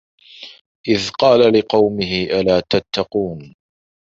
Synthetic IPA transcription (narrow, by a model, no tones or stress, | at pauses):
ʔɪðqɑːlalɪqɑwmɪɦɪʔalaːt̪at̪ʰːɑquːn